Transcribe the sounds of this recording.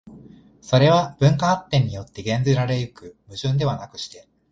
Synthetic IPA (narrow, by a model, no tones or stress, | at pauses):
so̞ɾe̞βab̥ɯ̟̃ŋkaat̪ːẽ̞ɲ̟ːijo̞t̪ːe̞ɡẽ̞nd͡zɨɾaɾe̞jɯ̟kɯ̟mɯ̟ʑɨ̃nd̪e̞βanakɯ̟̥ɕi̥t̪e̞